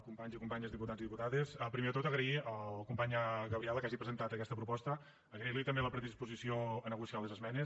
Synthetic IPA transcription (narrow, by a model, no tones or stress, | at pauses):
kumpaɲzikumpaɲəzðiput̪ad͡ziðiput̪aðesəpɾimeðət̪ot̪əɣɾəiəllkumpaɲəɣəwɾiɛləkaʒipɾəzənt̪at̪əkɛst̪əpɾupɔst̪ə | əɣɾiɾlit̪əmbeləpɾəðispuzisioənəɣusialezəzmɛne